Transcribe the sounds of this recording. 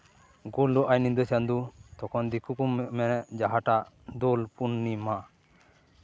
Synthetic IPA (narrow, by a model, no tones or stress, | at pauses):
ɡuld̪ɔʔajnind̪ɔsand̪ut̪ɔkʰɔnd̪ikukummɛnɛʔd͡ʒaɦaʈaʔ | d̪ɔlpunːima